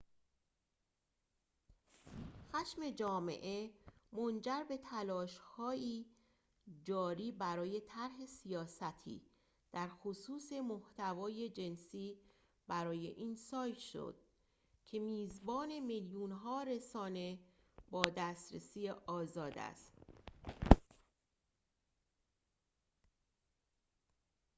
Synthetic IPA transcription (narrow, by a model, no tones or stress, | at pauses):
xæʃme̞d͡ʒɒːmḛʔe̞mo̞nd͡ʒæɾbe̞t̪ʰælɒːʃhɒːiː | d͡ʒɒːɾiːbæɾɒːje̞t̪ʰæɾɦe̞sijɒːsæt̪ʰḭː | d̪̥æɾxosuːse̞moht̪ævɒːje̞d͡ʒe̞nsiː | bæɾɒːje̞̰ʔiːnsɒːjt̪ʃo̰d̪̥̚ | cʰe̞miːzbɒːne̞meljunɦɒːɾe̞sɒːne̞ | bɒːd̪æːst̪ɾesiːjeʔɒːzɒːd̪æ̰st̪